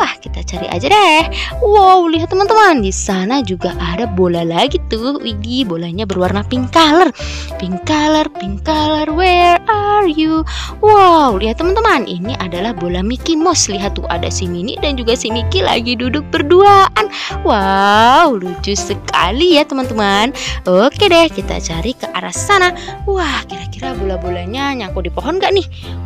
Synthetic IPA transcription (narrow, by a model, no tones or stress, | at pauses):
pahkit̪at͡ʃaɾḭʔa̰d͡ʒaɾɛhwawliɦat̪ːəmant̪əmandisanad͡ʒuɡaʔadabolalaɡit̪uiɡibolaɲabərwarnapiŋkalər | piŋkalərpiŋkalərwɛrarju | wawliɦat̪ːəmant̪əmanʔḭniʔadalahbolamikimɔsliɦat̪ṵa̰da̰siminḭdand͡ʒuɡasimikila̰ɡidudʊk̚bərduaʔanwawlud͡ʒʊsəkʰa̰lijat̪əmant̪əmanokedɛhkit̪a̰t͡ʃaɾikəʔaɾa̰sanawahkiɾakiɾabolabolaɲaɲakɔdipoɦɔnɡaʔnɪh